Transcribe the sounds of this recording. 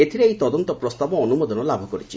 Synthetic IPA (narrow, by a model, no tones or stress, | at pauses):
et̪ʰiɾeejt̪ɔd̪ɔnt̪ɔpɾɔst̪abɔːnumod̪ɔnɔlabʱɔkɔɾit͡ʃʰi